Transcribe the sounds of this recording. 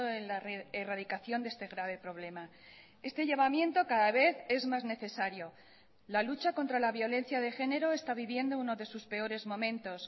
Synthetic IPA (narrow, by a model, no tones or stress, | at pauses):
oenlaeraðikaθjo̞nd̪e̞st̪e̞ɣɾaβ̞e̞pɾo̞β̞le̞ma | e̞st̪e̞ʝaβamjẽ̞nt̪o̞kaðaβe̞θe̞zmazne̞θe̞saɾjo̞ | lalut͡ʃako̞nt̪ɾalaβjo̞le̞nθjað̞e̞xe̞ne̞ɾo̞e̞st̪aβiβje̞nd̪ouno̞ðe̞suspe̞o̞ɾe̞zmõ̞mẽ̞nt̪o̞s